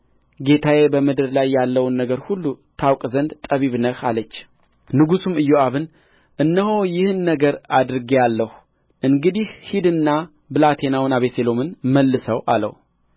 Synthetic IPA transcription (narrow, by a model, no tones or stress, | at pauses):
ɡe̞t̪ʰajebəmɨd̪ɨɾlajːalːəwnːəɡəɾhulːut̪ʰawkʼzənd̪t̪ʼəβiβnəhalət͡ʃː | nɨɡusumɨjːoaβɨn | ʔɨnːəɦo̞jɪhɨnːəɡəɾad̪ɾɨɡijalːəhu | ʔɨŋɡɨd̪ihhid̪ɨnːa | bɨlat̪ʰe̞nawnaβeselo̞mɨnməlːɨsəwʔa̰lə̰w